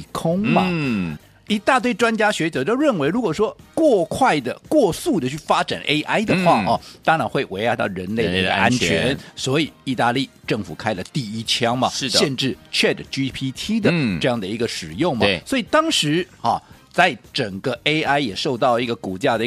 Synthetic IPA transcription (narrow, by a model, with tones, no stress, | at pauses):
kʰʊ˥ŋmɐ˨˧ | i˧˥t̪a˥˧t̪we˥˩ɪʈ͡ʂwa˥nt͡ɕja˥ɕɥɛ˧˥t͡ɕɑ˨˩t̪o˥ʊɻə˥˩nwe˧˥ɪɻu˧˥kwɔ˨˩ʂwɔ˥kwɔ˥˧kʰwa˥˩ɪd̪ə˩kwɔ˥˧su˥˩d̪ə˩t͡ɕʰy˥˩fa˥ʈ͡ʂa̰˨˩nʔe˥ɪʔa˥ɪd̪ə˨xwa˥˩˨t̪ɑ˥ŋɻa˧˥nxwe˥˩ɪwe˧˥ɪa˧˥t̪ɑ˥˩ʊɻə˧˥nle˥˩ɪd̪ə˩i˧˥ɡə̰˧a˥nt͡ɕʰɥɛ̰˧˥nswɔ˧˥i˨˩i˥˧t̪a˥˧li˥˧˩ʈ͡ʂɤ˥˩ŋfu˨˩kʰa˥ɪlə˨t̪i˥˩i˥t͡ɕʰjɑ˥ŋmɐ˨˥˩ɕjɛ˥˧nʈ͡ʂɻ̩˥˩t͡ɕʰɥɛ˥˩ʈ͡ʂə˨˩t͡ɕi˥pʰi˥t̪ʰi˥d̪ə˨ʈ͡ʂɤ˥˧jɑ˥˩ŋd̪ə˩i˧˥ɡə˧ʂɻ̩˨˩jʊ˥˩ŋmɐ˨˩swɔ˧˥i˨˩t̪ɑ˥ŋʂɻ̩˧˥ɐ˨˩ | t͡sa˥˩ɪʈ͡ʂə˨˩ŋɡə˦e˥ɪʔa˥ɪjɛ˨˩ʂo˥˧ʊt̪ɑ˥˩ʊlə˩i˧˥˩ɡə˨ku˨˩t͡ɕja˥˩d̪ə˨i˧˥